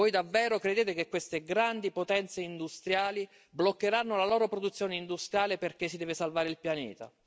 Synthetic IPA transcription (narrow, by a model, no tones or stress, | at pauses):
vojd̪avːɛːɾokɾed̪eːt̪ekekːwest̪eɡɾand̪ipot̪ɛnt̪seind̪ust̪ɾjaːli | blokːeɾanːolaloːɾopɾod̪ut̪sːjoːneind̪ust̪ɾjaːleperk̟esːid̪ɛːvesalvaːɾeɪilpjanɛ̰ːt̪a̰